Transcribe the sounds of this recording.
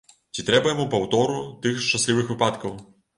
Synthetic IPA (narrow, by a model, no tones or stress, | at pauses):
t͡sʲit̪ɾɛbɐjamupawt̪ɔɾut̪ɨxʂt͡ʂɐsʲlʲiʋɨxʋɨpat̪kɐw